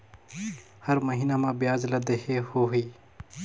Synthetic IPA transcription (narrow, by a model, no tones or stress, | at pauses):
həɾməɦiːnamãbɪjaːd͡ʒləd̪eɦehoɦiː